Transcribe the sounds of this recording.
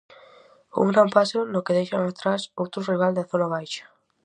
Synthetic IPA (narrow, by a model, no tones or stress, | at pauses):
ṵŋɡɾampasonokeðejʃaŋat̪ɾasowt̪ɾoriβ̞ald̪aθonaβ̞ajʃḁ